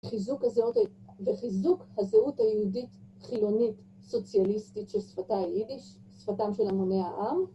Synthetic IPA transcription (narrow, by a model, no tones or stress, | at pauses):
χizukhazeut | veχizukhazeuthajehudit | χilo̞nit | so̞t͡sjalistitʃelsfataidiʃ | sfatamʃelamoneaʔam